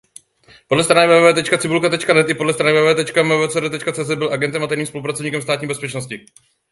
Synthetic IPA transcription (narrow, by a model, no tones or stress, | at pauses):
podlɛst̪ɾanɛvɛːvɛːt̪ɛt͡ʃkat͡sɪbulkat̪ɛt͡ʃkanɛt̪ʔɪpodlɛst̪ɾanɪvɛːvɛːt̪ɛt͡ʃkavɛvɛːt͡sɛːdɛt̪ɛt͡ʃkat͡sɛːzɛt̪̚bɪlʔaɡɛnt̪ɛmʔat̪ɛjɾniːmspolupɾat͡sovɲiːkɛmst̪aːt̪ɲiːbɛspɛt͡ʃnoscɪ